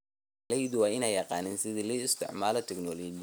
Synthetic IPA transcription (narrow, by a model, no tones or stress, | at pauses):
lɛjd̪wɑːɪnɛjjɑqɑ̰ːnɪnsɪðiliːɪst̪ʰɪ̰ʕmaːlɔt̪ʰɪknɔlɔːd͡ʒ